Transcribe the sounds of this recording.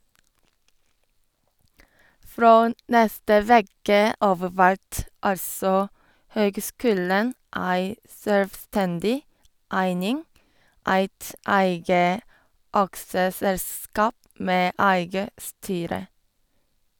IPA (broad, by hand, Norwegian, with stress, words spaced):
ˈfɹoː ˈnɛstə ˈʋeːkə ˈɑːʋ ˈʋæɹt ˈɑlsɔ ˈhøːɡˌskʉːlən ˈʔæɪ sœlʋˈstɛndɪ ˈʔæɪnɪŋ ˈæɪt ˈæɪɡə ˈɑksəˌsɛlˌskɑːp ˈmeː ˈæɪɡə ˈstyːɾə